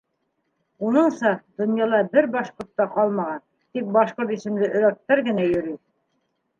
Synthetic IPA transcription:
unɤɴsɑd̪̥ŏnjɑlˠɑbɘɾbɑʃqŏɾt̪ːɑqɑlˠmɑʁɑn | t̪ik̚bɑʃqoɾt̪isɘ̆md̪ɘʔɵ̆ɾæk̚t̪ːæɾɡɘ̆næjɵ̆ɾi

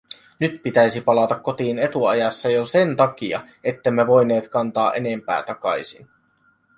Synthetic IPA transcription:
nyt̪pit̪æjsipɑlɑt̪ɑkːo̞t̪iːne̞t̪uɑjɑsːɑjose̞nt̪ɑk̟iɑ̰ | e̞t̪ːe̞mːe̞ʋo̞jne̞ːt̪kɑnt̪ɑːʔe̞ne̞mpæ̰ːt̪ɑkɑ̰jsin

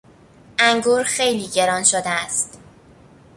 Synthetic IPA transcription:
ʔæŋɡuːɾxejliːɟe̞ɾɒːnʃod̪eæst̪

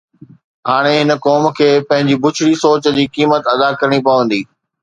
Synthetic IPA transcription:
ɦaːɽ̃eɦɪnə̆kɔːmkʰeːpɐ̃ɦɪ̃ɲd͡ʑibʊt͡ɕʰɽisoːt͡ɕd͡ʑiːkiːmət̪ɐd̪akɐɾəɽ̃ipɐʋə̃nd̪iː

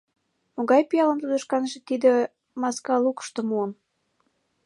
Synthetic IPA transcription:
moɣɑjpijɑləmt̪ud̪ə̆ʃkɑnʒĕt̪id̪ĕ | mɑskɑlukə̥ʃt̪omuən

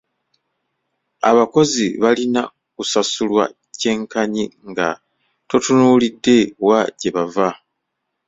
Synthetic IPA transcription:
a̰βako̞ziβalina | kusasulwa̰ | ce̞ːŋkaɲiŋɡa̰ | to̞tunuːlidːe̞waɟe̞βava

